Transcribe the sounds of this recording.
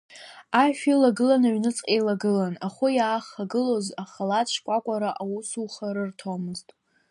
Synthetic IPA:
aʃᶣilaɡɨlanaɥnɨt͡sʼqʼelaɡɨlanaχʊjaːχaɡɨlo̞zaχalat͡ʃʰkʷʼakʷʼaɾaʔawusuχaɾɨrtʰomɨztʼ

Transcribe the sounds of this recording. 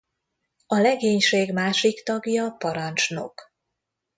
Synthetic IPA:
ɒlɛɡeːɲʃeːɡmaːʃikt̪ɒɡjɒpɒɾɒnt͡ʃno̞̰k

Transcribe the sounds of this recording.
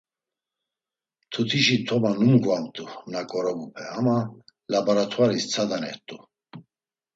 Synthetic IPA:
t̪ʰut̪ʰiʃit̪ʰɔmanumɡuamt̪ʼumnakʼɔɾɔbupʰɛamalabaɾat̪ʰwaɾist͡sʰad̪anɛ̰ɾt̪ʼu

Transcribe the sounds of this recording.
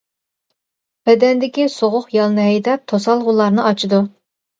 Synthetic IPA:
bɛd̪ɛnd̪ɪkʲisoʁʊχjɑlˠnɨɦɛjd̪ɛp̚t̪ʰosɑlˠʁʊlˠɑɾnɨʔɑt͡ʃʰid̪u

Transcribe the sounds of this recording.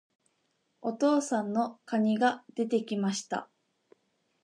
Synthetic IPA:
o̞t̪o̞ːsãnːo̞kaɲ̟iɡad̪̥e̞t̪e̞kʲimaɕi̥t̪a̰

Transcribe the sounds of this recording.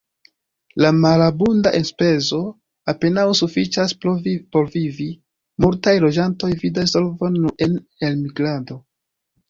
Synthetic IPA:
lamalabundaʔenspe̞zo̞ | ape̞nawsufit͡ʃaspo̞ɾvivi | multajlo̞d͡ʒanto̞jvidasolvonːue̞n | e̞lmiɡɾado̞

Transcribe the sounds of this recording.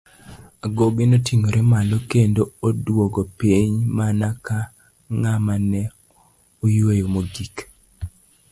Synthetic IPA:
aɡoɡɪnotiŋoɾɛmalɔkendoodwoɡɔpiɲmanaka | ŋamanɛ | ojwejomoɡik

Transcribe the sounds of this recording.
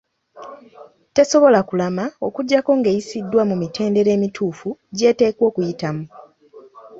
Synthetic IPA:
te̞so̞βo̞lakulamao̞kuɟːako̞ŋɡe̞ːjisidːwamumite̞ːnde̞ɾe̞ːmitʰuːfuɟe̞ːte̞ːkwo̞ːkujitamu

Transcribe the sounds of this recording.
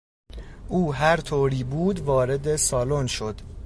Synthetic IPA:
ʔuːɦæɾt̪ʰoːɾiːbuːd̪vɒːɾe̞d̪e̞sɒːlonʃo̞d̪

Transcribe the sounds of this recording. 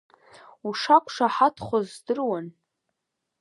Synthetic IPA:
uʂakʷʰʂaħatʰχʷazdɨrwan

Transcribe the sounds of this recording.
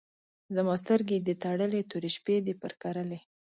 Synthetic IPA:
zamɑs̬t̪əɾɡed̪ət̪aɽəlet̪uɾeʃped̪epəɾkaɾəle

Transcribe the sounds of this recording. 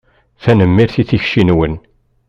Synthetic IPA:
θænəmːiɾθiθiçʃinwən

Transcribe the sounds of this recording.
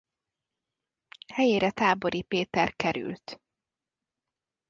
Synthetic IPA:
hɛjeːɾɛt̪aːbo̞ɾipeːt̪ɛrkɛɾy̰lt̪

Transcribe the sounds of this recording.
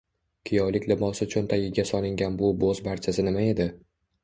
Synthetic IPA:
kʲʰɪjɒjlɪkʲlɪmɒsɪt͡ʃʰʊnt̪ʰajɪɡʲasɒlˠɪŋɡʲanbʊbozbaɾt͡ʃʰasɪnɪmae̞d̪ɪ

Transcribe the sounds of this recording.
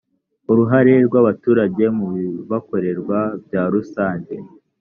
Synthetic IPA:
uɾuɦaɾeɾɡwaβatuːɾaɟe̞muββako̞ɾe̞ɾɡwabɟaːɾusaːɲɟe̞

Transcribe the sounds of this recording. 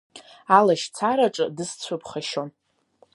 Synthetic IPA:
alaʃt͡sʰaɾaʈ͡ʂʼɨdɨst͡sʷʰʊpʰχaʃo̞n

